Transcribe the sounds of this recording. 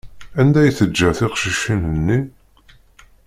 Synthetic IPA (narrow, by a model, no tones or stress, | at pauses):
ænd̪æjθəd͡ʒːæθɪqʃiʃinənːi